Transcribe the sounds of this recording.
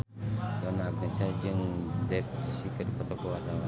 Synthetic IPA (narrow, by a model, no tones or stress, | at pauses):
dɔnaːɡ̚nɛsad͡ʒɨŋdɛp̚d͡ʒisikədipɔt̪ɔkɔwat̪awa